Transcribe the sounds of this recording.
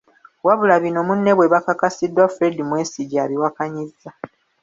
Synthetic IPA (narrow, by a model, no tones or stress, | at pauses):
waβulaβino̞munːe̞βwe̞βakakasidːwafɾedimweːsiɟaβiwakaɲizːa